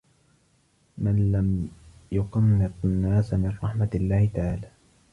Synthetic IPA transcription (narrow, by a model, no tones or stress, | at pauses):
manlamjʊqɑmːɪt̪ˤanːaːsamɪnɾˤɑħmaalːaːhɪt̪aʕaːlaː